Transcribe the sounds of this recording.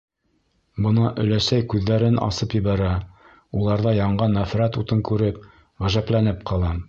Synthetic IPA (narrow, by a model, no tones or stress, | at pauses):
bɤ̆nɑʔɵ̆læsæjkʉðːæɾɘnʔɑ̰sɤpjɘ̆βæɾæ | ulˠɑɾðɑjɑɴɢɑnːæfɾæt̪ut̪ɤŋkʉɾɘp | ʁæʒæplænɘp̚qɑlˠɑ